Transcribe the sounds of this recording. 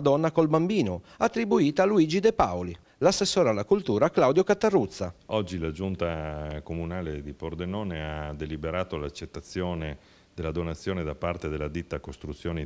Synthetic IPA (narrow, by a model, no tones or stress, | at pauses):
d̪ɔnːakolbambiːno | at̪ːɾibuiːt̪aluiːd͡ʒid̪ɛpaoli | lasːesːoːɾalːakult̪uːɾaklawd̪jokat̪ːarːut̪sːaɔd͡ʒːilad͡ʒunt̪akomunaːled̪ipord̪enɔːnead̪elibeɾaːt̪olat͡ʃːet̪ːat̪sːjɔːne | d̪elːad̪onat̪sːjoːned̪apːart̪ed̪elːad̪it̪ːakost̪ɾut̪sːjoːne